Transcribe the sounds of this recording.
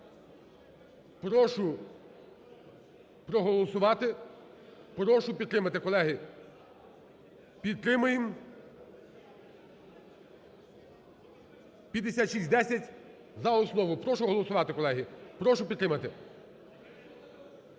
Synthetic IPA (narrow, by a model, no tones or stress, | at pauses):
pɾɔʃʊ | pɾɔɦɔlˠɔsʊʋɑt̪ɪ | pɾɔʃʊpʲid̪̚t̪ːɾɪmɐt̪ɪkɔlˠɛɦi | pʲid̪̚t̪ːɾɪmʊjɪm | pʲjɐd̪ːesʲat̪ʃisʲd̪ɛsʲɐtʲ | zɐɔsnɔʋʊpɾɔʃʊɦɔlˠɔsʊʋɑt̪ɪkɔlˠɛɦipɾɔʃʊpʲid̪t̪ɾɪmɐt̪ɪ